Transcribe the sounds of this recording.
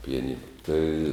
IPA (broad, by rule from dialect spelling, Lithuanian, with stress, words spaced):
pʲɪjɛˈnʲɪnɐ tɐɪ